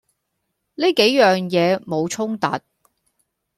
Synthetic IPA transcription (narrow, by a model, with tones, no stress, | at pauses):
niː˥ke˨˥jjœː˨ŋjɛː˨˧mo˨˧wt͡ʃʰʊ˥ŋt̪ɐ̰˨t̚